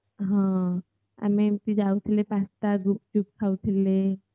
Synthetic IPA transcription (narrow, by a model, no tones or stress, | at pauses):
ɦã | a̰mit̪id͡ʑawut̪ʰilepast̪aɡup̚t͡ɕup̚kʰawt̪ʰile